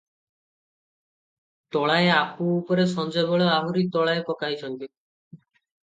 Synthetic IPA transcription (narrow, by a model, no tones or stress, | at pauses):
t̪ɔɭaeapuːpɔɾesɔnd͡ʒɔbɔɭeaɦuɾit̪ɔɭaepɔkaɦit͡ʃʰɔnk̪i